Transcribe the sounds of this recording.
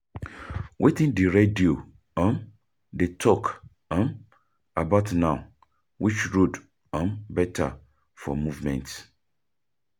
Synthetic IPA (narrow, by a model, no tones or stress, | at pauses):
wʔetĩndiɹedio | ə̃m | detʰɔk | ə̃m | abaʊtnãʊ | wʔit͡ʃɹud | ə̃mbɛtʰa̰ | fɔ̰muvmɛ̰̃nt